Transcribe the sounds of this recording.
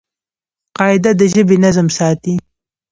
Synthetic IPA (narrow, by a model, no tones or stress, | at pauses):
qɑɪd̪ad̪əʒəbenazmsɑːt̪i